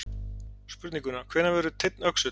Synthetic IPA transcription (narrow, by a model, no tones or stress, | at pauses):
spʏɾt̪niŋkʏnakʰvɛːɾnavɛːɾʏt̪ʰɪt̪nœksʏ